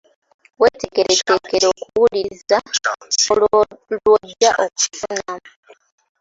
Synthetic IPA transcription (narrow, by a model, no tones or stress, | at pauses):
weːteɡe̞ɾeceke̞ɾo̞kuwulizaolwoɟːaʔo̞ku̥fuɲamu